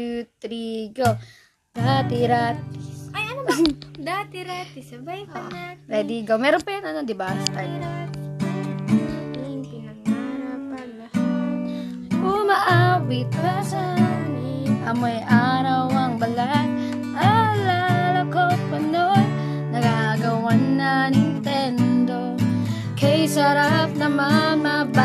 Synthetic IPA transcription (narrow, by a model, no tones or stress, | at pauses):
ut̪ɾiɡo | d̪̥at̪iɾat̪i̥ɐjɐnd̪at̪ɪɾat̪isɐbajʔaaɾɛd̪iɡowmɛɾonpɐjanɐnod̪ɪbast̪aɾat̪ | aɪŋpɪnɐɡ̚aɾapɐnlɐhat̪̚ | ʔʊmɐʔawɪt̪̚pɐsamɪʔɐmojʔaɾɐwɐŋbɐlat̪̚ | ʔalalɐkot̪̚pɐnoj | nɐɡaɡɐwanːɐnɪnt̪ɛnd̪o̞ | kɐjsɐɾap̚nɐmɐmaba